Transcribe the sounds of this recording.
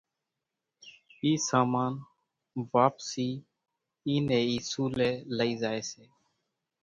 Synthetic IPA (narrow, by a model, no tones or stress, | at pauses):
iːsaːmaːn | ʋaːpsiː | iːnẽːiːsuːleːləiːzaːeːseː